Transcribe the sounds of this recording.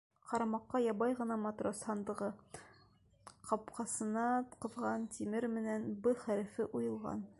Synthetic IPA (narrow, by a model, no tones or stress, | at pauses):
qɑɾɑmɑqːɑjɑbɑjʁɤ̆nɑmɑt̪roshɑnd̪ɤ̆ʁɤ | qɑpqɑsɤ̆nɑqɤ̆ðʁɑnt̪imɘɾmɘ̆nænbɤχæɾɘ̆fɘʔujɤ̆lˠʁɑ̰n